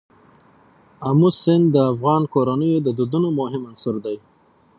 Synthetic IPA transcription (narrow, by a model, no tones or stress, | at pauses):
amusɪnd̪əafɣɑnkoɾanəjod̪əd̪ud̪unomʊɦɪmansʊɾd̪aj